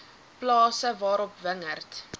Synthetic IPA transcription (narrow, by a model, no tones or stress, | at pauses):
plɑːsəvɑːɾɔpvəŋərt